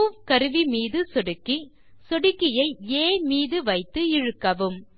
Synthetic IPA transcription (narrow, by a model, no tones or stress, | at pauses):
ʋkɐɾɯʋimiːðɯsɔɽɯkːi | sɔɽɯkːɪjɐɪeːmiːðɯʋɐɪt̪ːɯɪɻɯkːɐʋɯm